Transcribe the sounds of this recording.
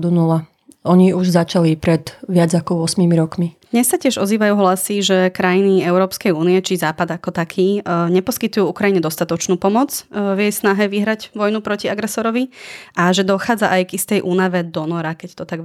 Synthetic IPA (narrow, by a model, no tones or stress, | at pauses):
d̪unula | ʔɔɲiuʒzat͡ʃalipɾɛd̪ʋɪad͡zakɔʊɔsmimiɾɔkmid̪̥ɲɛssːacɪɛʒɔ̰ziːʋajuːɦlasiʒɛkɾajiniɛʊɾɔːpskɛjuːniɛt͡ʃizaːpad̪akɔt̪akʰiːɲɛpɔskit̪ujuːukɾajiɲɛd̪ɔst̪at̪ɔt͡ʃnuːpɔmɔt͡sʋjɛjsnaɦɛʋiɦɾaɟʋɔjnupɾɔciaɡɾɛsɔɾɔʋiʔaʒɛd̪ɔxaːd͡zaʔajɡist̪ɛjʔuːnaʋɛd̪ɔnɔɾakɛct̪ɔt̪aɡ